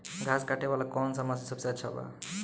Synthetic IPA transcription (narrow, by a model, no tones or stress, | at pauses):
ɡʱaːskaʈeʋalakɔnsamas̬isɐbseɐt͡ʃʰaba̰